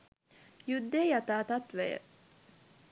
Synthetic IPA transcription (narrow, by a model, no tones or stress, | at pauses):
jud̪ːeːjɐt̪aːt̪ɐt̪ʋejə̰